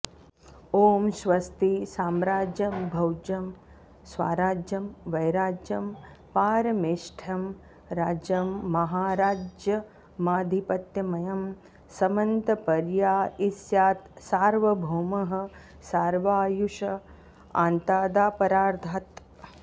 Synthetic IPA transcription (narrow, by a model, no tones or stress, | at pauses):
oːmʃʋɐst̪isaːmɾaːd͡ʒjɐmbʱɐwd͡ʒɐm | sʋa̰ːɾaːd͡ʒjɐmʋɐjɾaːd͡ʒjɐm | paːɾɐmeːʃʈʰɐm | ɾaːd͡ʒjɐmːɐɦaːɾaːd͡ʒjɐ | maːd̪ʱipɐt̪jɐmɐjɐm | sɐmɐnt̪ɐpɐɾjaːisjaːt̪saːɾʋɐbʱuːmɐɦɐ̆ | saːɾʋaːjuʃɐ | a̰ːnt̪aːd̪aːpɐɾaːɾd̪ʱaːt̪